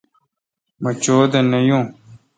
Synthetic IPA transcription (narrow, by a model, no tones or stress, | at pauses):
mɐt͡ɕoːd̪ɐnɐjõː